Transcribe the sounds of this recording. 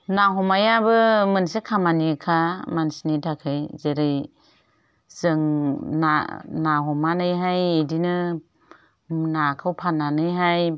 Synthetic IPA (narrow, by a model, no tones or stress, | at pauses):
naɦɔmajabɯmɯnsekʰamanikʰamansinitʰakʰɯjzeɾɯj | z̥ɯŋna̰naɦɔmanɯjɦajedinɯ | nakʰawpʰananɯjɦaj